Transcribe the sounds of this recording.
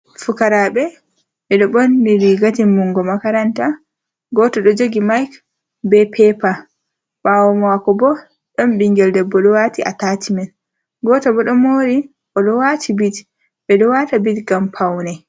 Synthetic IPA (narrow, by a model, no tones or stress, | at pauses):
fukaɾabɛ | ɓɛɗɔbɔnːiɾiɡatiːuŋɡɔmakaɾanta | ɡɔtɔɗɔd͡ʒoɡimajk | bɛpʰɛpa | ɓawɔmɔwakɔbɔ | ɗɔnbiŋɡɛldɛbːɔɗɔwatiʔa̰tatimɛn | ɡɔtɔbɔɗɔmoɾi | ʔɔɗɔwatʰibit | ɓɛɗɔwatabitɡampʰawnɛ